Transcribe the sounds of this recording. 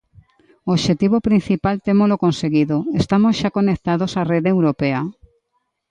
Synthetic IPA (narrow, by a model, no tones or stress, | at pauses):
ooʃet̪iβopɾin̟θipalt̪emolokonseɣiðoest̪amosʃakonek̚t̪aðosareðeewɾopea